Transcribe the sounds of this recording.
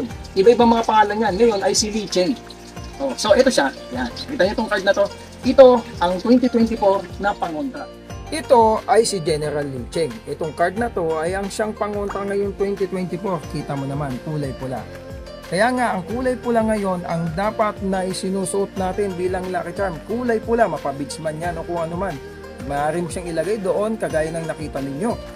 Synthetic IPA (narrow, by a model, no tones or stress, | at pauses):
nʔɪbaʔɪbaŋmɐŋapɐŋaːlɐnɲanŋɐjo̞nɐjsɪlit͡ʃɛŋ | ʔoso̞ʔɛt̪o̞ʃa | jankit̪ɐŋɛt̪oŋkɐd̪̚nɐt̪o̞ | ʔɪt̪o̞ʔɐŋt̪wɛnt̪it̪wɛnt̪ɪfoɾnɐpɐŋont̪ɾɐ | ʔɪt̪o̞ʔɐjsɪd͡ʒɛnɛɾɐlːiːt͡ʃɛŋʔɛt̪oŋkɐɹd̪̚nɐt̪o̞ʔɐjɐŋʃaŋpɐŋont̪ɾɐŋɐjo̞ŋt̪wɛnt̪it̪wɛnt̪ɪfoɾkiːt̪ɐmonɐmankuːlɐjpʊla̰ | kɐjaŋaʔɐŋkuːlɐjpʊlaŋɐjo̞nɐ̰ŋd̪aːpɐt̪̚nɐʔɪsɪnuːsʊʔot̪̚naːt̪ɪnbiːlɐŋlaːkɪt͡ʃaɹmkuːlɐjpʊlamɐpɐbɪɡsmɐnjanokʊŋʔɐnoman | mɐʔaːɾimʊʃaŋɪlɐɡajd̪o̞ʔo̞nkɐɡaːjɐnɐŋnɐkiːt̪ɐnɪɲːo̞